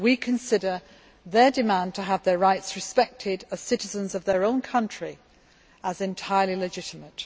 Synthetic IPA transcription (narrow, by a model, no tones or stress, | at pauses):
wikʰə̃nsɪɾə˞ | ðə˞dɪmæ̃ntʰəːvðəɹaɪtsɹɨspɛk̚tʰɪdəz̥sɪɾɪzə̃nzʌvðə˞õʊ̃nkʰʌ̃nt͡ʃɹ̥i | əzɛ̃ntʰaɪəlˠilɨd͡ʒɪtɪmət